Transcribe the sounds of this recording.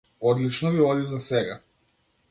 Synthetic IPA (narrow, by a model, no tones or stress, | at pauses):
ɔd̪lit͡ʃnɔviɔd̪ivzasɛɡa